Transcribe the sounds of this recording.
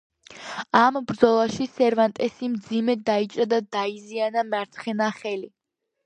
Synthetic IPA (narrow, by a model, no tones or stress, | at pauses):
ambɾd̪zɔlˠaʃisɛɾvant̪ʼɛsimd̪zimɛd̪ait͡ʃʼɾad̪ad̪aizianamaɾt̪sʰχɛnaχɛli